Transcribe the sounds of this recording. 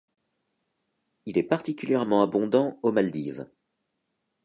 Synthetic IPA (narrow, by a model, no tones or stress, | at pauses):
ilɛpaʁt̪ikʲyljɛʁmɑ̃abɔ̃d̪ɑ̃omald̪iv